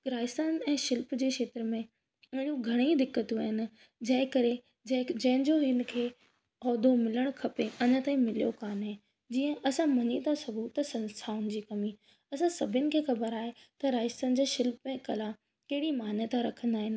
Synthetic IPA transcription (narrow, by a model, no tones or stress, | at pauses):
ɾaːɪst̪aːnɛ̃ːʃɪlpd͡ʑeːʃʰeːt̪ɾəmẽ | ʊɦɽ̃ũɡʱɐɽ̃id̪ɪkːət̪uaːɦɪnɪ̆ | d͡ʑɐ̃ɦɪ̃kɐɾe | d͡ʑɐd͡ʑɐ̃ɦɪ̃ɲd͡ʑoɦɪnɪ̆kʰeː | ɔːd̪omɪləɽ̃kʰɐpeɐɲət̪aːĩmɪlijokaːnɦɪ̃ | d͡ʑiːə̃ʔɐsãmɐɲit̪asɐbuːt̪sɐ̃nst̪ʰaːʊnɪ̆d͡ʑiːkɐmi | ɐsãsɐbʱənɪ̆kʰeːxɐbəɾaːɦet̪ɐɾaːɪst̪ən̆d͡ʑeːʃɪlpmẽkɐla | kɐɦɪɽimaːnət̪ʰaɾɐkʰə̃nd̪aːɦɪnɪ̆